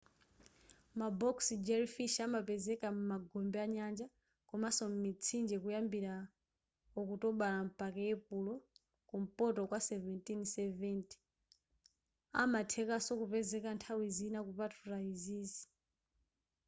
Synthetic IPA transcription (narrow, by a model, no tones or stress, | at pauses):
mabɔksid͡ʒɛɾifiʃamapɛzɛkamumaɡɔmbɛaɲand͡ʒa | kɔmasɔmmit͡sʰind͡ʒɛkujambiɾa | ɔkutɔɓalam̩pakɛjɛpulɔ | kum̩pɔtɔkwasɛvɛntinsɛvɛnti̥ | a̰matʰɛkasɔkupɛzɛkantʰawizinakupatʰuɾaiziːzi̥